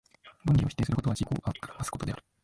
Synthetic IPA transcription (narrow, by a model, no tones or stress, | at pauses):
mõɲːʲĩoç̥it̪eːsɨɾɯkot̪oad͡ʑiko̰ːɡamasɨ̥ko̞t̪o̞d̪e̞aɾɯ̥